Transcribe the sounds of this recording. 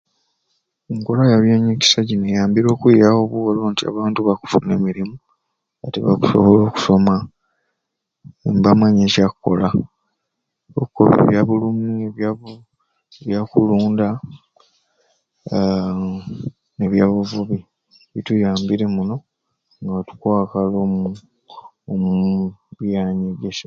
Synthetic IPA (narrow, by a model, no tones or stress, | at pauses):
eŋkolajaβjeɲeːci̥saɟinejaːmbiɾo̞ːkwijawoβuɣoloːntia̰βaːntuβaku̥fune̞̰miɾimu | a̰tiβa̰ku̥so̰βoloːku̥so̞ma | mbamaɲecakukːo̰la | o̰kukoβḛβjaβulumueβjaβu | βjakuluːnda | neβjaːβuvuβi | βitujaːmbiɾe̞muno̞ | ŋɡatu̥kwaːkalomu | omuβjaːɲeɡese